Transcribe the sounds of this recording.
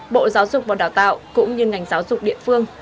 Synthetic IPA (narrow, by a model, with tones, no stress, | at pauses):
ɓo̰˧˨zaː˨˦wzʊ˨˩k͡p̚vaː˨˩wɗaː˨˩wt̪a̰ː˧˨wʔkʊ̰˧˥ŋ͡mɲɨ˧ŋa˨˩jŋ̟zaː˨˦wzʊ˨˩k͡p̚ɗḭ˧˨əfɨ˧əŋ